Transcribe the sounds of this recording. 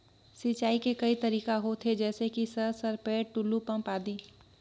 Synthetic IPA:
sit͡ʃaːikekɐit̪ɐɾiːkaɦot̪ʰed͡ʒɛːsekisɐɾsɐɾpeːʈulupɐ̃mpaːd̪iː

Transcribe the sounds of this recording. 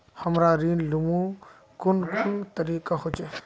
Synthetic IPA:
hɐmɾaɾiːnlʊmũ | kʊnkʊnt̪ɐɾiːkahʊt͡ʃe

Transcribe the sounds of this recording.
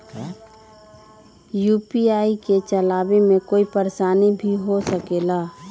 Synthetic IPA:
juːpiaːiket͡ʃəlaːbemẽkoːipəɾesaːnibʱiɦosəkeːlaː

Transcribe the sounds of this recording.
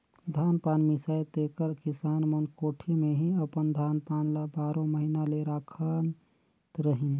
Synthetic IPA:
d̪ʱaːnpanmisajt̪ekəɾkisaːnmənkoːʈʰimeɦiəpənd̪ʱaːnpaːnləbaːɾõməɦinaleɾaːkʰən | t̪ɾəɦin

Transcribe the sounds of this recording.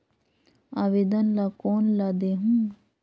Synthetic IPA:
aʋed̪ɐnlakoːnlad̪eɦu

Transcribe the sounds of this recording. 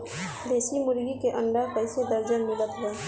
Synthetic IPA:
d̪eːsimʊɾɡikeʔə̃ɳɖ̪aɾpəɪsed̪əɾd͡ʒənmɪlət̪ɦɛː

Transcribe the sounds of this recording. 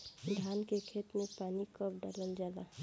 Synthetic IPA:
d̪ʱaːnkekʰet̪mepaːnikəp̚ɖaːlənd͡ʒala

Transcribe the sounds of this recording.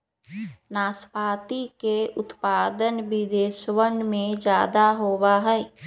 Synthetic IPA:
naːspaːt̪ikeʊt̪paːd̪ənbid̪eːʃwəɳɖmẽd͡ʒjaːd̪aɦoːwaɦɛː

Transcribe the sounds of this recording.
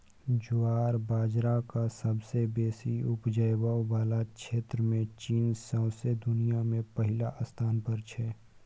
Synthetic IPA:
d͡ʒʊaːɾbaːd͡ʒɾakasəbsebeːsiʊpd͡ʒəjbabaːlakʃeːt̪ɾəmẽt͡ʃiːnsə̃ʊsed̪ʊnijamẽpəɦɪlaʔəst̪ʰaːnpəɾt͡ʃʰɛː

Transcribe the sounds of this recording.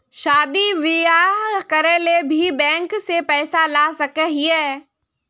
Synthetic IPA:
ʃaːd̪iʋɪjaɦkəɾeːlebʱibɛ̃ːŋksepɛːsalaːsɐkəɦiɛː

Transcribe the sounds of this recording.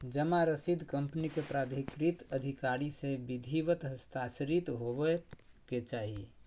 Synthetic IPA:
d͡ʒəmaɾəsid̪ʱkəmpnikepɾad̪ʱikɾit̪əd̪ʱikaɾisebid̪ʱiʋət̪ɦəst̪asɾit̪ɦoʋɛ | ket͡ʃaːɦi

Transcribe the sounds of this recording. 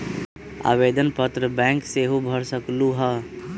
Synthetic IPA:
a̰ʋed̪ənpət̪ɾəbɛ̃ːŋkseɦubʱəɾsəkluɦə

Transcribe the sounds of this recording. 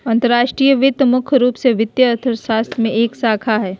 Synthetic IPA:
ɐ̃nt̪əɾaːʃʈɾiːjəʋɪt̪mʊkʰɾuːpseʋɪt̪jəət̪ʰəɾʃaːst̪ʰmẽeːksaːkʰaɦɛː

